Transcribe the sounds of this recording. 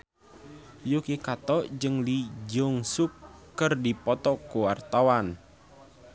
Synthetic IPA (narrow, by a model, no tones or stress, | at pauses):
jokekat̪ɔʔd͡ʒɨŋlid͡ʒɔŋsukː | ərdipɔt̪ɔkuwart̪awan